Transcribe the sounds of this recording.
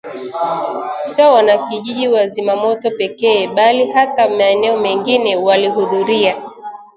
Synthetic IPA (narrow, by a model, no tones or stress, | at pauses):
sɔwanakiʄiʄiwazimamɔtɔpɛkɛːɓalihatamaɛnɛɔmɛŋɡinɛwaliɦuðuɾia